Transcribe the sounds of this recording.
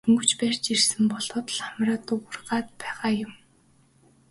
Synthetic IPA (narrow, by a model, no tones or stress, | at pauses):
ɵ̆ŋɡɵ̆t͡ɕpæːr̥ʲt͡ɕirsɘ̆mpɔɮɔːt̪ɮχamraːt̪ʊɣʊ̆rɢaːt̪̚pæːʁaːjʊm